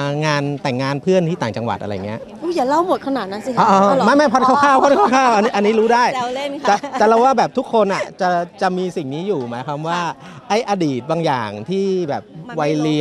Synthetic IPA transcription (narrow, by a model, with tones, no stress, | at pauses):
ŋaː˧nt̪ɛ˨˩ŋːaː˧npʰɯ˥˩ənt̪ʰiː˥˩t̪aː˨˩ŋt͡ɕa˧ŋwa˨˩t̪̚ʔa˧ɾa˧ja˨˩ŋː˩i˦˥ɐʔ | uː˧˩jaː˨˩la˥˩wmu˨˩t̪̚kʰa˧naː˨˩t̪̚na˦˥si˧ɔː˧ʔɔː˧ma˥˩jma˥˩jpʰɔ˦˥t̪̚kʰaː˥˩kʰaː˥˩wpʰɔ˦˥kʰaː˥˩kʰaː˥˩wʔa˧ni˦˥ʔa˧nːiː˦˥ɾuː˦˥daː˥˩jt̪a˨˩ɛ˨˩la˧˩waː˥˩bɛː˨˩p̚t̪u˦˥kʰːo˧nʔa̰˨˩t͡ɕa˨˩t͡ɕa˨˩miː˧si˨˩ŋniː˦˥juː˨˩ma̰ː˩˦jkʰwaː˧mwaː˥˩ | ʔa˥˩jʔaː˧diː˨˩t̪̚baː˧ŋja̰ː˨˩ŋt̪ʰiː˥˩bɛː˨˩p̚wa˧jli˧